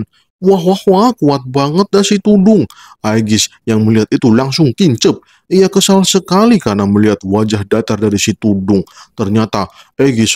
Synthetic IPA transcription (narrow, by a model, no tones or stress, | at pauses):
n | waɦwahwakuat̪̚baŋət̪̚dasit̪udʊŋ | ajɡɪsjaŋməliɦat̪it̪ulaŋsʊŋkiɲt͡ʃəp̚ | ijakəsalsəkalikarnaməliɦat̪̚wad͡ʒahdat̪ardaɾisit̪udʊŋt̪ərɲat̪aaɡɪs